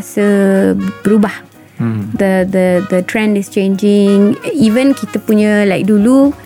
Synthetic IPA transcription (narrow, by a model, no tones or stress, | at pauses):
sə | bəɾubah | d̪əd̪əd̪ətɾɛ̃ndɪst͡ʃẽnd͡ʒɪ̃ŋivə̃nkit̪əpuɲalajk̚dulu